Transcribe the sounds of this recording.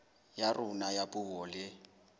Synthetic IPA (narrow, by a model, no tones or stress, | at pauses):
jarʔʊnajapʼuwɔlɪ